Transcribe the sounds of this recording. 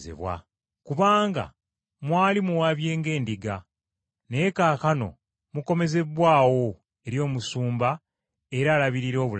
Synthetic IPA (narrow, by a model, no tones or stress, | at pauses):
zḛβwa̰ | kuβaːŋɡa̰ | mwaːlimuwaβje̞ːŋɡe̞ːndiɡa | neːkaːkano̞̰ | muko̞me̞ze̞βwaːwo̞ | e̞ɾjo̞ːmusuːmba | e̞ɾaːlaβiɾiɾo̞ːβul